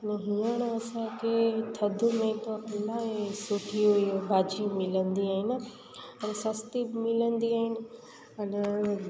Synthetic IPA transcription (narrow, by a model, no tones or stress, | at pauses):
nɦiãñɐsãkʰet̪ʰɐd̪ʱʊmẽt̪opɪlaːesʊʈʰioɦijobʱaːd͡ʑimɪlə̃nd̪iaːɦɪn | ɐnsɐst̪ibɪmɪlənd̪iaːɦɪnɪ̆ | ɐnɛ